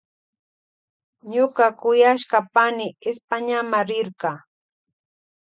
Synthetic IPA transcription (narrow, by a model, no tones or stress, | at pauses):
ɲʊkɑkʊjaʃkapanɪɪspaɲamaɾɪɾɢɑ